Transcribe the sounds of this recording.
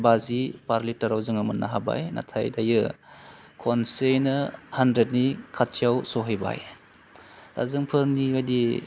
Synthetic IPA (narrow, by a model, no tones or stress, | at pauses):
bazipaɾlitːaɾawzɯŋɯmɯnːaɦaba̰jna̰tʰajdajɯ | kʰɔnsejnɯhandɾet̚nikʰatt͡ʃijawsɔɦajba̰j | da̰zɯŋpʰɯɾniadi